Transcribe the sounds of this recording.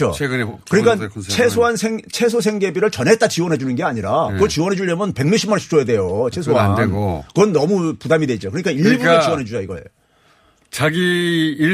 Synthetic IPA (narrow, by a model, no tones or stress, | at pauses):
o̰ekkɯɲik͈at͡ɕʰesʰoɦansʰeŋt͡ɕʰe̞sʰos̬ʰe̞ŋɡe̞biɾɯɭt͡ɕʌnɦe̞t͈at͡ɕiwʌnɦe̞d͡ʑunɯnɡe̞aɲiɾakɯɡʌt͡ɕiwʌnɦe̞d͡ʑuʎːʌmɯnpe̞ŋɲuɕʰimanɕʰi̥p̚t͡ɕ͈ʰojede̞jot͡ɕʰe̞s̬ʰoandeɡokɯɡʌnːʌmupudamidwe̞d͡ʑokɯɾʌɲik͈aiɭɡʌt͡ɕiwʌnɦe̞d͡ʑud͡ʑaiɡʌḛjo | t͡ɕaɡiː